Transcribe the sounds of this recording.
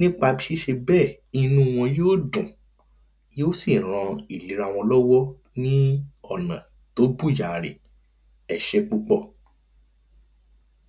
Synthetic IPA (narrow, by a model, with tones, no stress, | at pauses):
nĩ˦k͡pa˧bi˧˦ʃe˦ʃe˧bɛː˦˨ | i˧nũ˦˧w̃ɔ̃˧joː˦dũ˨ | joː˦si˦˨ɾ̃ã˧i˨li˨˦ɾa˦˨w̃ɔ̃˧lɔ˦wɔ˦ | nĩ˦ɔ˦˨nã̰˨ | to˦bu˦˨ja˨ɾḛ˨ | ɛ˨ʃɛ˧k͡pu˦k͡pɔ˦˨